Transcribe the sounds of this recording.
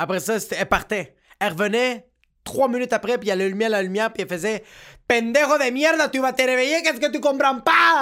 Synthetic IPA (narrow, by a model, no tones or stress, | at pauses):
apʁesɔst̪ɛpaʁt̪ɛ | ɛlʁvənɛ | t̪χwaminyt̪apʁɛpialelymjɛʁlalymjɛʁpiɛlfəzɛpɛ̃nd̪eʁoðemjɛʁd̪at̪yvat̪eɾevejekɛs̬kət̪̬ykɔ̃mpɾãpa